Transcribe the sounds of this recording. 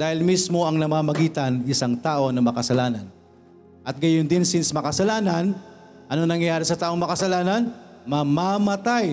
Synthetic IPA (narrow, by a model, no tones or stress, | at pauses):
d̪̥aːhɪlmismo̞ɐŋnɐmaːmɐɡiːt̪ɐnɪsaŋt̪aːʔo̞nɐmɐkɐsɐlaːnɐn | ʔɐt̪̚ɡɐjʊnd̪ɪnsɪnsmɐkɐsɐlaːnan | ʔɐnoŋnɐŋjɐjaːɾɪsɐt̪aːʔo̞ŋmɐkɐsɐlaːnɐnmɐmamɐt̪aj